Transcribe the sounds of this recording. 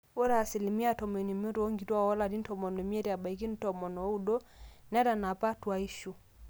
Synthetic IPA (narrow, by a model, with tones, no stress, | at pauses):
ɔ˦ɾaː˨si˨li˨mi˦a˦˨tɔ˨mɛ˨ni˨mo˦tɔ˦o˦ŋɡi˨twa˦wɔ˦la˨di˦n̩˦tɔ˨mɔ˨nɔ˨i˨m˦ɛ˦ɾi˨a˨ba˨i˨ki˦n̩˦tɔ˨mɔ˨nɔ˨˦u˦dɔ˦n˦a˦ɾa˨na˨pa˦twa˦i˦ʃu˨